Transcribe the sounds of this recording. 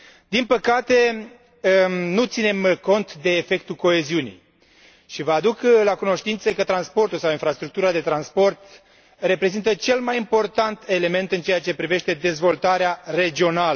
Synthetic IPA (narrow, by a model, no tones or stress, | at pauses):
d̪inpəkat̪e̞ | nut̪sine̞mko̞nt̪d̪e̞ːfe̞k̚t̪uko̞e̞ziunḭj | ʃivəad̪uklakuno̞ʃt̪int̪səkət̪ɾanspo̞rt̪ulsawinfɾast̪ɾuk̚t̪uɾad̪e̞t̪ɾanspo̞rt̪ | re̞pɾe̞zint̪ət͡ʃe̞lmajimpo̞rt̪ant̪e̞le̞me̞nt̪ɨnt͡ʃe̞jat͡ʃe̞pɾive̞ʃt̪e̞d̪e̞zvo̞lt̪aɾeare̞d͡ʒio̞nalə